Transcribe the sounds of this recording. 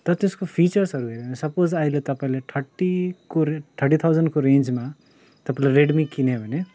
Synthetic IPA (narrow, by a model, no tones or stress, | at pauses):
t̪ʌt̪eskopʰit͡ʃʌɾsʌɾuɦeɾebʱʌnesʌpozailet̪ʌpaĩleʈʰʌʈikoʈ̪ʰʌʈit̪ʰawzənɖkoɾẽnd͡ʒma | t̪ʌpãĩleɾeɖmikinebʱʌne